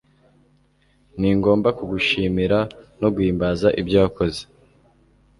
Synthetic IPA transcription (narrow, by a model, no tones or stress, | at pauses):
niŋɡo̞ːmbakuɡuʃiːmiɾano̞ɡwiːmbazaʔibɟaːko̞ze